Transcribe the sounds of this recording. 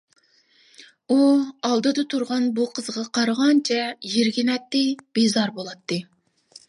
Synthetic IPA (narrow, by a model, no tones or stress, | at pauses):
uɑlˠd̪ɨd̪ɨt̪ʰuɾʁɑnbuqʰəzʁɑqʰɑɾʁɑnt͡ʃʰɛjeɾɡʲinɛt̪ːɪb̥ezɑɾbolˠɑt̪ːɨ